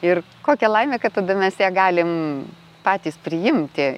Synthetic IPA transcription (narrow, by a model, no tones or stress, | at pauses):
ɪr | koːkʲɛlˠɐɪmʲeːkɐttɐd̪ɐmʲɛsjæːɡɑːlʲɪm | pɑːt̪ʲiːspʲɾʲɪjɪmʲt̪ʲɪ